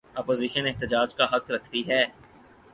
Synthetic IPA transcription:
ɐːpoːziːʃəneɦt̪ɪd͡ʒaːd͡ʒkaɦɐkɾɐkʰt̪iɦɛː

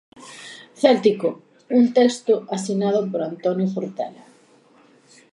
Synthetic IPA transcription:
θelt̪iko | unt̪ekst̪ʊasinað̞opoɾant̪onjofoɾt̪ela

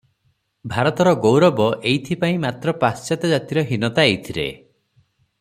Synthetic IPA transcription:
bʱaɾɔt̪ɔɾɔɡowɾɔbɔʔejt̪ʰipaĩmat̪ɾɔpast͡ʃat̪ɔd͡ʒat̪iɾɔɦinɔt̪aejt̪ʰilḛ

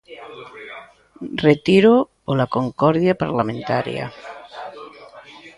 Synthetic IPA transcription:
ret̪iɾo | olakoŋkɔɾðjapaɾlamẽnt̪aɾj̰a̰

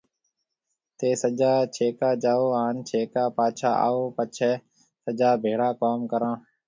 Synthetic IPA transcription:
t̪eːsəd͡ʒaːt͡ʃʰeːkaːd͡ʒaːoːaːnt͡ʃʰeːkaːpaːt͡ʃʰa̰ːa̰ːoːpət͡ʃʰɛː | səd͡ʒaːbʱeːɽaːkoːmkəɾãː

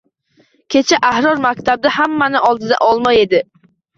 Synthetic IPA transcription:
kʲʰe̞t͡ʃʰaʔahɾɒɾmakʲt̪ʰab̚d̪ahamːanɪʔɒlˠd̪ɪd̪a̰ʔɒlˠmaje̞d̪ɪ

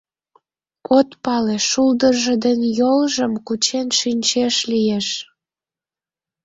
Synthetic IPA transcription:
kot̪pɑleʃuld̪ərʒə̆d̪ənʲjolʒəmkut͡ɕenʃynʲt͡ɕeʃlijeʃ

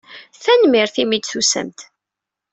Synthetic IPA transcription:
θænmɪɾθimid̪θusə̰mt̪

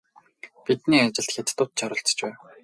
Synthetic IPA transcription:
pit̪niːat͡ɕɪ̆ɬt̪xʲat̪t̪ʊ̆wt̪̚t͡ɕʰɔɾʊ̆ɬt͡s̆t͡ɕpæːn

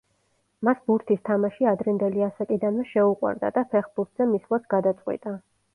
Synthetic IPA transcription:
masbuɾt̪ʰist̪ʰamaʃiad̪ɾɛnd̪ɛliasakʼid̪anvɛʃɛuqʼwa̰ɾd̪a̰d̪apʰɛχbuɾt̪ʰz̥ɛmislˠat̪ʰɡ̥ad̪at̪sʼqʼwḭt̪ʼa

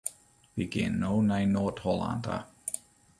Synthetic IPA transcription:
b̥iɡḛ̃nːoʊnaɪnɔːˑthɔlã̰ndə̰

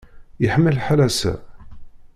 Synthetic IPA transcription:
jəħəmːəlħalæsæ̰

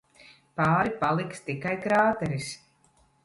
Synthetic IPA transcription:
paːɾipalˠikst̪ikajkɾaːt̪ɛɾis

